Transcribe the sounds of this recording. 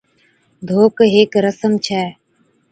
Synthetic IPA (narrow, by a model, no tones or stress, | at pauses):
d̪ʱoːkɦeːkɾəsəmt͡ʃʰɛː